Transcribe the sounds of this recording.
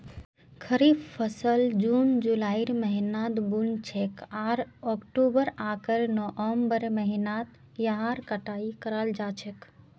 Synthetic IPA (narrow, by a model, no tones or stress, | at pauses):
kʰəɾibpʰəsəld͡ʒund͡ʒulaːiɾməɦinad̪bunt͡ʃʰekʰaːɾɔkʈubəɾakəɾnɔʔɔmbəɾməɦinat̪ | jəɦaɾkəʈaːikəɾald͡ʒaːt͡ʃʰek